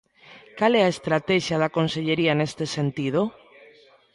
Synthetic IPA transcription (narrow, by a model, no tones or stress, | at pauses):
kalɛaest̪ɾat̪ɛʃjaðakonseʎeɾianest̪esent̪ið̞o